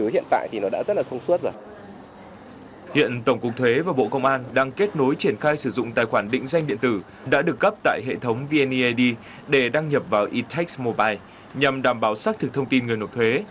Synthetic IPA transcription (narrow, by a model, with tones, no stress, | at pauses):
ɨ˨˦hḭ˧˨ənt̪a̰ː˧˨jt̪ʰi˨˩nɔ˨˦ɗa̰ː˧˥zə˦˥t̚laː˨˩t̪ʰə˧wŋ͡msu˦˥ət̚zo˨˩j | hḭ˧˨ənt̪ə˧˩wŋ͡mkʊ˨˩k̚t̪ʰwe˨˦vaː˨˩ɓo̰˧˨kə˧wŋ͡mʔaː˧nɗaː˧ŋke˦˥t̚no˨˦jt͡ɕi˧˩ənxaː˧jsɨ˧˩zʊ̰˧˨ŋ͡mt̪aː˧˨jxwaː˧˩nɗḭ˧˥ŋ̟za˧jŋɗḭ˧˨ənt̪ɨ˧˩ | ɗa̰ː˧˥ɗɨ˨˩ək̚ːə˦˥p̚t̪a̰ː˧˨jɦḛ˧˨t̪ʰə˨˦wŋ͡mvi˧ʔɛ˧ni˧ʔɗi˧ | ɗe˧˩ɗaː˧ŋɲə˨˩p̚vaː˨˩wʔi˧t̪ʰa˦˥k̚smo˧ɓaː˧j | ɲa˨˩mɗaː˧˩mɓaː˨˩wsaː˦˥k̚t̪ʰɨ˨˩k̚t̪ʰə˧wŋ͡mt̪i˧nŋ˨˩əjno˨˩t̚t̪ʰwe˨˦